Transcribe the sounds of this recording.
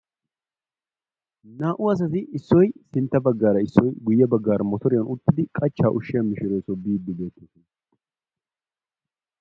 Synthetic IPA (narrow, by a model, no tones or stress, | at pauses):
naːʔʊɐs̬ɐt̪ɪɪsːɔjsɪnt̪ːɐbɐɡːaːɾɐɪsːɔjɡʊjːɛbɐɡːaːɾɐmɔt̪ɔɾɪjɐnʊt̪ːɪd̪ɪkʼɐt͡ʃːaːʔʊʃːɪjɐmɪʃɪɾojsɔbiːd̪ːɪbe̞ːt̪ːe